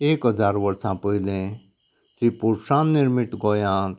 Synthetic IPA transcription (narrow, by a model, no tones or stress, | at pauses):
eːkɦəzaːɾʋəɾsãːpəid̪ẽ | sɾipuɾsãːnːɪɾmɪʈɡoːjãː